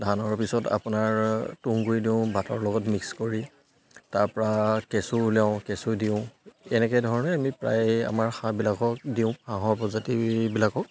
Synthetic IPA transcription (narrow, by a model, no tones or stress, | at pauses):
dʱanɔɹpisɔta̰pʊnaɹtuŋɡuɹidiʊ̃bʱatɔɹlɔɡɔtmikskoɹi | taɹpɔɹakɛsulaʊ̃kɛsudiʊ̃ɛnɛkɛdʱɔɹɔnɛamipɹa̰ja̰maɹxãbilakɔk̚diʊ̃xãɦɔɹpɔzatibilakɔk̚